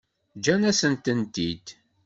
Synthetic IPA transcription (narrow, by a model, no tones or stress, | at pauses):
d͡ʒænæsənt̪ənt̪id̪